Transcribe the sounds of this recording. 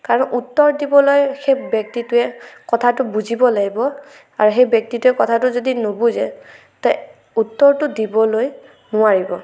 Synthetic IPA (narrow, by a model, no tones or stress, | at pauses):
kaɹɔnʔutːɔɹdibɔlojxebjɔk̚titʊɛkɔtʰatʊbuzibɔlaɡibɔ | aɹuxejbjɔk̚titʊɛkɔtʰatʊzodinobuzɛ | ta | utːɔɹtʊdibɔloj | nʊaɹibɔ